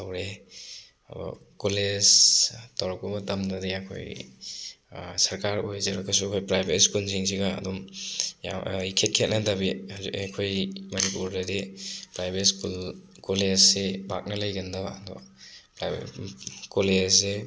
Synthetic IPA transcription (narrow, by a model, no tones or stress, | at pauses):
tawɾe | ɐ̰bɔ̰koled͡ʒtaɾɔkumɐtɐmdɐdiɐkʰo̰j | sɐɾkaɾojzɐɾɐkʰɐsuɐkʰojpɾajbetskunsiŋs̬iɡɐ̰ːdumja̰ikʰet̚kʰet̚nɐdɐbikʰojmɐnipuɾdɐdepɾajbetsku | kolezsebak̚nɐlɐjɡɐndɐba̰dɔ̰pɾa | kolezse